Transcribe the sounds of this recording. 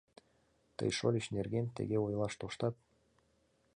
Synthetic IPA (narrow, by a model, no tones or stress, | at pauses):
t̪ɤ̰jʃolʲiɕnerɡent̪ḛɣeojlˠɑʃt̪oʃt̪ɑt̪̚